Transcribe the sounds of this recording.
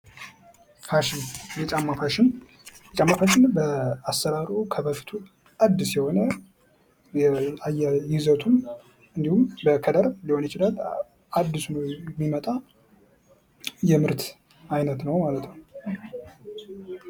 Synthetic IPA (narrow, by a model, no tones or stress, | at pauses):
faʃɪnjɛt͡ʃʼamːafaʃɪn | ɛt͡ʃʼamːafaʃɪnbəasːəɾaɾukʰəbəft̪ʰu | ad̪ːɨsjɛho̞nə | jɛajːajɪzət̪ʰum | ɨnd̪ihumbəkʰəd̪əɾlihonjɛt͡ʃɪlal | ad̪ːɨsnəwɛmːimət̪ʼa | jɛmɨɾt̪ʰ | ajnət̪nəwmalət̪nəw